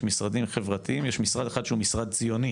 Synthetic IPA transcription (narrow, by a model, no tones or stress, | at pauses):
misʁad̪imχevʁat̪iimjeʃmisʁad̪exad̪ʃeumisʁad̪̚t͡sijo̞ni